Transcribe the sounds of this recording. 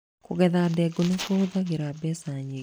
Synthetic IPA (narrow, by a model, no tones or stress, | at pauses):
kuɣɛðadɛɡonekoðaɣeɾabɛsaɲe